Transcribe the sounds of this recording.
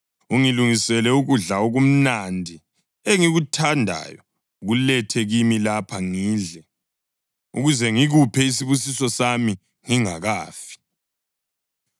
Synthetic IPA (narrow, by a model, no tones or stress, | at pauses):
uŋiluŋisɛlɛuɣuɮaoɣum̩nandʱi | eŋiɣutʰandʱa̰jɔ | ɣulɛtʰɛɣimilapʰaŋiːɮɛ | ṵɣuzɛŋiɣupʰɛis̬iβusisɔsami | ŋiŋaɣaːfi̥